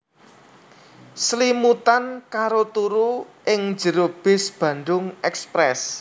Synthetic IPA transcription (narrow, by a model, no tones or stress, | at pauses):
slimut̪ankaɾot̪uɾuʔɪŋ̥d͡ʒə̤ɾob̥ɪ̤sb̥ä̤nɖ̪ʊŋɛkspɾɛs